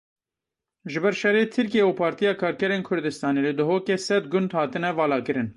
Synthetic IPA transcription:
ʒɨbɛɾʃɛrːeːt̪ʰɨɾkijeupʰɑːɾt̪ijɑːkʰɑːɾkɛɾeːnkʰʊɾd̪ɨst̪ɑːneːlɨd̪ʊɦoːkeːsɛd̪̚ɡʊnd̪hɑːt̪ɨnɛvɑːlɑːkɨɾɨn

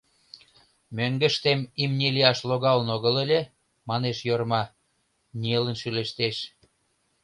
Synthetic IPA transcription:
møŋɡə̆ʃt̪emimnʲeliɑʃloɣɑlənoɣəlelʲe | mɑneʃjormɑ | nʲielə̆nʃyleʃt̪eʃ

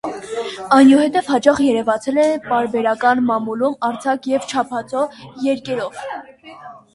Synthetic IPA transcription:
ɑjnuhɛt̪ɛvhɑt͡ʃɑχjɛɾɛvɑt͡sʰɛlɛpɑɾbɛɾɑkɑnmɑmulumɑɾt͡sʰɑkjɛvt͡ʃʰɑpʰɑt͡sɔjɛɾkɛɾɔv

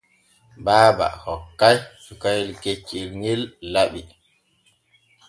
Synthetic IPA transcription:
baːba̰hɔkːajsukajilket͡ʃːilŋelːaɓi

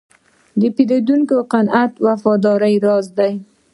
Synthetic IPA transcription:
d̪əpid̪ad̪uŋkoqanat̪wafɑd̪ɑɾajɾɑzd̪aj

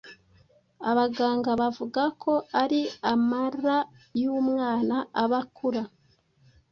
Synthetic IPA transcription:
aβaɡaːŋɡaβavuɡakʰo̞aɾiamaɾa | jumŋaːnaaβakuɾa

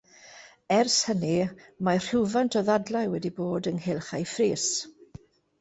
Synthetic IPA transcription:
ɛrshənimar̥ɪwvantʰɔðadlajwɛdiboːdənhelˠχajfriːs

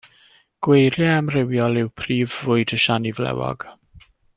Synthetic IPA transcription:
ɡ̥wejɾjɛəmrɪwjɔlˠɪwpʰriːvːʊɨdəʃanivlɛ̰wɔ̰ɡ̥

